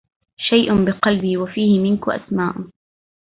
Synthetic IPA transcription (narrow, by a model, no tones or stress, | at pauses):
ʃajʔʊnbɪqɑlbiːwafiːhɪmɪnkʊʔa̰smaːʔʊ